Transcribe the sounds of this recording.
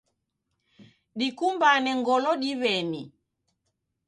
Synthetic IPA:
ɗikumbanɛŋɡɔlɔɗiβɛni

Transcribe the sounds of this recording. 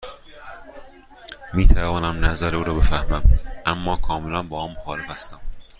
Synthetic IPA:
miːt̪ʰævɒːnæmnæzæɾeuːɾɒːbe̞fæhmæmʔæmːɒːkʰɒːmelænbɒːhɒːmmːoxɒːle̞fæst̪æm

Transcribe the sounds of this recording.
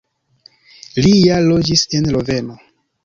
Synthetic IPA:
lijalo̞d͡ʒise̞nlo̞ve̞no̞

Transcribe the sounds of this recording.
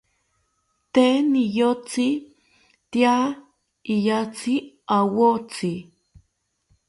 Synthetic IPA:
t̪enijot͡si | t̪ia | ijat͡si | awot͡si

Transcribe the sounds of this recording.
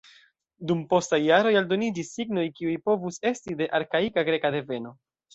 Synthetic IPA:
dumpo̞stajːaɾo̞jaldo̞nid͡ʒisːiɡno̞jkiujpo̞vuse̞stide̞ʔaɾkaikaɡɾe̞kade̞ve̞no̞

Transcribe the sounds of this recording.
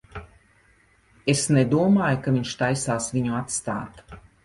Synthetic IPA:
esned̪uɔmaːjukaviɲʃt̪ajsaːsviɲuat̪st̪a̰ːt̪

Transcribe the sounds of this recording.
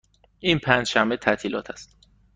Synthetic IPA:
ʔiːnpʰæːnd͡ʒʃæmbet̪ʰæt̪ʰiːlɒ̰ːt̪ʰæst̪

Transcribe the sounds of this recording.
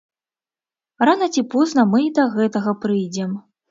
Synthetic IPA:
ranɐt͡sʲipɔznɐmɨd̪ɐɣɛt̪ɐɣɐpɾɨjd͡zʲɛm

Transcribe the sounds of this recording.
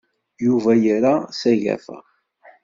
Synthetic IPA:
juvæjəɾasæʝæ̰f

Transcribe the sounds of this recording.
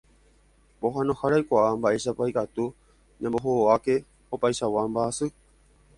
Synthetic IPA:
po̞ɦãnõhaɾajkʷaambaʔe̞ʃapajkat̪u | ɲãmboɦooake̞ | opajʃawambaːsɨ

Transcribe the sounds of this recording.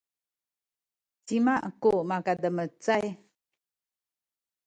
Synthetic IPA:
timaʔkumakadəmət͡saj

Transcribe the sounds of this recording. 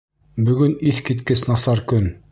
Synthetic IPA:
bɵ̆ɡɵniθkit̪kɘsnɑsɑɾkɵn

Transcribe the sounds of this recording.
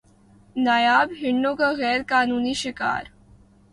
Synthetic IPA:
nəjabɦɪɳːokaɣɛːɾkaːnuːniːɕika̰ːɾ

